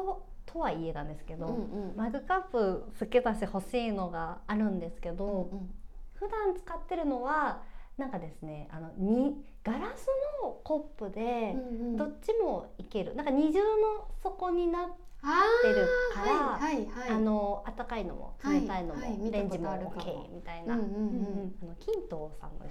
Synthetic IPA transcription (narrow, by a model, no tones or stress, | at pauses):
ot̪ʰo̞βaie̞nãnd̪e̞sɨ̥ke̞d̪o̞maɡɯ̟kapːɯ̟sɨke̞zaɕi̥t̪e̞ho̞ɕiːno̞ɡaːɾɯ̟̃nd̪e̞sɨ̥ke̞d̪o̞ | ɸɯ̟d̪ãnt͡sɨ̥kat̪ːe̞ɾɯ̟no̞βanãŋkad̪e̞sɨne̞a̰no̞ɲ̟i | ɡ̥aɾasɨno̞ko̞pːɯ̟d̪e̞d̪o̞t͡ɕːɕimo̞ike̞ɾɯ̟nãŋkaɲ̟iʑɨːno̞so̞ko̞ɲ̟inat̪ː | e̞ɾɯ̟kaɾaaano̞at̪ːakaino̞̰mʔo̰saeaino̞mo̰ɾẽ̞ɲ̟d͡ʑimookʰe̞̰ːmʲit̪ainã̰ | ano̞kʲĩnt̪o̞ːsã̰mːo̰e